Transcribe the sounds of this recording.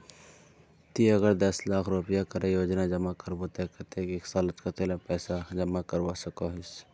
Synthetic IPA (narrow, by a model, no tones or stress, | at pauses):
t̪iɐɡəɾd̪ɐslaːkʰɾʊpəjakɐɾẽjoːd͡ʒnad͡ʒɐmakɐɾbot̪ɛːkət̪ekeːksaːlət̪kat̪eːlapɛːsad͡ʒɐmakɐɾʋasɐkoɦɪs